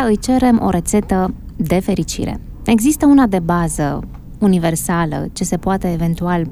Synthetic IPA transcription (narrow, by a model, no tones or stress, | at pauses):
ɨjt͡ʃe̞ɾe̞mʔo̞̰ɾe̞t̪se̞t̪əd̪e̞fe̞ɾit͡ʃḭɾe̞̰ | e̞ɡzist̪əunad̪e̞bazə̰ | unive̞rsalə̰t͡ʃe̞se̞poat̪e̞ːve̞nt̪ual